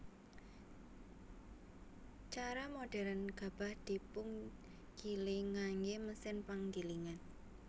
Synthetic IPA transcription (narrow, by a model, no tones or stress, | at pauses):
t͡ʃaɾamoɖ̥ɛɾanɡ̥a̤b̥ä̤hd̪̥i̤pʊŋ | ɡ̥iliŋaŋɡeməsɪnpaŋɡiliŋan